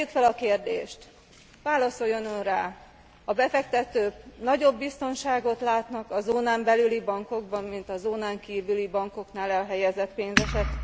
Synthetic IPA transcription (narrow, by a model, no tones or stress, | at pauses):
jykfɛlɒkeːrd̪ḛːʃt̪ | ʋaːlɒso̞jonønraː | ɒbɛfɛkt̪ɛt̪øːpnɒɟo̞bːist̪o̞nʃaːɡo̞t̪laːt̪nɒkɒzoːnaːmbɛlylibɒŋko̞ɡbɒmːint̪ɒzoːnaːŋkiːvylibɒŋko̞knaːlɛlɦɛjɛzɛt̪peːnzɛʃɛt̪ː